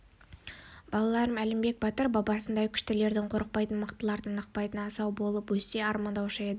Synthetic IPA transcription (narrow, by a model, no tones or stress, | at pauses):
bɑlˠɑlˠɑɾəmælɪmbe̞k̚bɑt̪əɾbɑbɑsənd̪ɑkʲʰʏ̥ʃt̪ɪle̞ɾd̪ɪɴqʰo̞ɾəq̚pɑjt̪ənməqt̪əlˠɑɾd̪ənəq̚pɑjt̪ənɑsɑwbo̞lˠəpwɵse̞ɑɾmɑnd̪ɑwʃəed̪ə